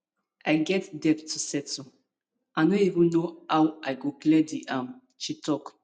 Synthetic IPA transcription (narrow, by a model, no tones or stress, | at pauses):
ʔaɪɡɛtdɛptʰːusɛtu | aɪnõivə̃nnoawaɪɡoklɛdiʔãm | t͡ʃitʰɔk